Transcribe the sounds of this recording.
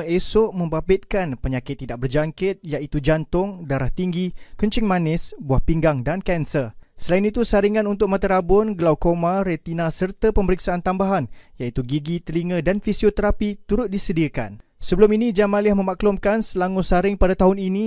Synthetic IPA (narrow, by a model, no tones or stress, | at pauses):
esʊʔmə̃mbabɪt̪̚kanpəɲakɪt̪ːidaʔ̚bərd͡ʒaŋkɪt̪̚jaʔit̪ud͡ʒant̪ʊŋdaɾaht̪iŋɡikuɲt͡ʃɪŋmãnɪsbuahpiŋɡaŋdankɛnsərsəlainit̪usaɾiŋãnunt̪ʊk̚mat̪aɾabʊnɡəlawkomãɾet̪inasərt̪apəməɾiksaant̪ambaɦanjait̪uɡiɡit̪əliŋə̃danfisiot̪əɾapit̪uɾʊt̪̚disədiəka̰n | səbəlʊminid͡ʒamaliahmə̃maklʊmkansəlaŋʊsaɾɪŋpadat̪aɦʊnini